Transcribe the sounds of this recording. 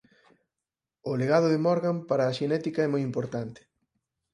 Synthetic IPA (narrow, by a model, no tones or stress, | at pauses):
ʊleɣað̞ʊðemɔɾɣampaɾaːʃenɛt̪ikaɛmojimpoɾt̪ant̪ɪ̥